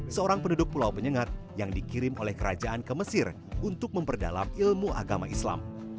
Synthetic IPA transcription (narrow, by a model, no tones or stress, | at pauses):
səoɾaŋpəndudʊk̚pulawpəɲəŋat̪̚jaŋdikiɾɪmolɛhkəɾad͡ʒaankəməsɪr | unt̪ʊk̚məmpərda̰la̰milmuʔa̰ɡamaʔisla̰m